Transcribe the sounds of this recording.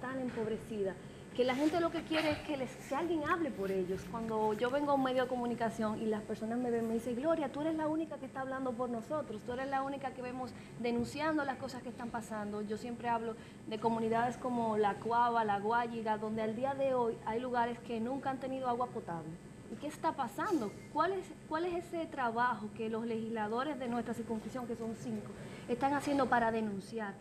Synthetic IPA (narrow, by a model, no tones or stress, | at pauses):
t̪aŋe̞mpo̞βɾe̞siða | ke̞laxɦe̞nt̪e̞lo̞ke̞kje̞ɾeeskeleskealɣje̞ŋaβle̞po̞ɾe̞ʝo̞skwand̪o̞ʝo̞βe̞ŋɡouŋme̞ðjo̞ðe̞ko̞munikasjo̞ŋilaspeɾso̞nasme̞βeŋme̞ðise̞ŋɡlo̞ɾjat̪ue̞ɾeslaunikakest̪aːβland̪o̞p̬o̞ɾno̞so̞t̪ɾost̪ue̞ɾe̞slaunikake̞βe̞mo̞s | d̪e̞nũnsjand̪o̞lasko̞saskest̪ampasand̪o̞ʝo̞sje̞mpɾe̞aβlo̞ | ðe̞ko̞mũniðaðe̞sko̞mo̞lakwaβalaɣwaʝiɣaðo̞nd̪eald̪iaðe̞o̞jajluɣaɾe̞ske̞nũŋkaant̪e̞niðo̞aɣwapo̞t̪aβle̞ | ike̞ːst̪apasand̪o̞kwaleskwale̞se̞se̞t̪ɾaβaxo̞ke̞lo̞sle̞hislaðo̞ɾe̞zðe̞nwest̪ɾasiɾkunŋskɾisjo̞ŋke̞so̞nsiŋko̞ | e̞st̪aŋasje̞nd̪o̞paɾaðe̞nũnsjaɾ